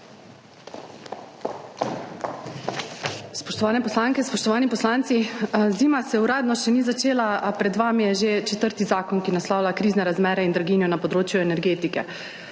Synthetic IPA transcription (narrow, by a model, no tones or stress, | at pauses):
spɔʃt̪ɔʋaːnɛpɔslaːŋkɛspɔʃt̪ɔʋaːnipɔslaːnt̪siziːmasɛuɾaːd̪nɔʃɛniːzat͡ʃeːlapɾɛd̪ʋaːmijɛʒet͡ʃɛt̪əɾt̪izaːkɔnkinaslɔːwlakɾiːznɛɾazmɛːɾɛind̪ɾaɡinjɔnapɔd̪ɾoːt͡ʃjuɛnɛɾɡeːt̪ikɛ̰